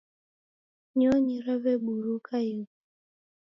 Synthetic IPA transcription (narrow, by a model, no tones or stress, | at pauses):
ɲɔɲiɾaβɛbuɾukʰaji